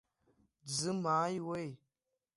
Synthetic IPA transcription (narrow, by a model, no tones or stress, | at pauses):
d͡zɨmajwej